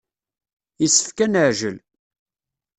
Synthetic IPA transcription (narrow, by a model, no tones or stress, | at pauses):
isə̥fkænəʕʒəl